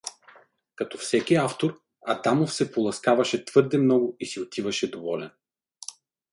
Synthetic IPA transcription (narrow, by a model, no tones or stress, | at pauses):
kɐt̪ɔfsɛkʲiaft̪oɾ | ɐ̰d̪amofsɛpolˠɐskavɐʃɛt̪v̥ɤɾd̪ɛmnɔɡʊisiot̪ʰivɐʃɛd̪ovɔlɛn